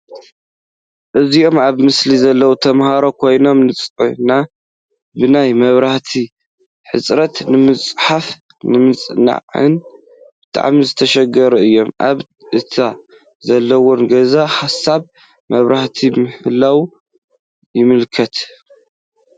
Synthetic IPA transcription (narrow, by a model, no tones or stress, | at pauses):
ʔɨziʔo̞maβmɨslizɐlːɐwut̪ʰɐmhaɾo̞kʰo̞jno̞mnɨt͡sʼna | bɨnajmɐβɾaħt̪ʰi | ħɨsʼɾɐt̪nɨmɨt͡sʼħaf | nɨmɨt͡sʼna̰ʕɨ̰n | b̥ɨt̪ʼa̰ʕmizɨt̪ʰɐʃɐɡɐɾuɨjːo̞mʔa̰β | ʔɨt̪ʰa | zɐlːɐwonɡɐzaħasaβ | mɐβɾaht̪ʰimɨhɨlːaw | jɪmɨlkʰɐt̪